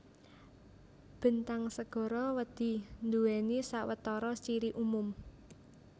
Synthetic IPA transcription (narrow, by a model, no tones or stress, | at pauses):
b̥ə̤nt̪aŋsəɡ̥ɔ̤ɾɔwəd̪̥i̤nd̪uwɛnisawət̪ɔɾɔst͡ʃiɾiʔumʊm